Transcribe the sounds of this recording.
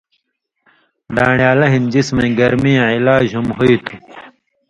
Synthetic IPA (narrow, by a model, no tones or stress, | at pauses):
d̪aːɳjaːlɐɦind͡ʑismɐ̃iɡɐɾmijãilaːd͡ʑhumɦoit̪ʰu